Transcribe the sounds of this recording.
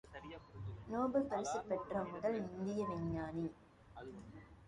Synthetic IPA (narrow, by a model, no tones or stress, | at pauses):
noːbɯpɐɾɪsɐpːɛʈrɐmʊðɐlɪnd̪ɪjɐʋɪɲːaːni